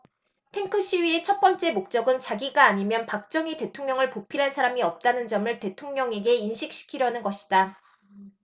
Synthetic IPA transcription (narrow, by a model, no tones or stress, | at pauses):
tʰe̞ŋkʰɯɕ͈iɥie̞t͡ɕʰʌt̚p͈ʌnt͡ɕ͈e̞mok̚t͡ɕ͈ʌɡɯnt͡ɕaɡiɡaːɲimjʌnpak̚t͡ɕ͈ʌŋite̞tʰoŋɲʌŋɯɭpopʰiɾɦansʰaɾamiʌp̚t͈anɯnd͡ʑʌmɯɭte̞tʰoŋɲʌŋe̞ɡe̞inɕʰik̚ɕ͈ʰi̥kʰiɾjʌanɯnɡʌɕʰi̥d̥a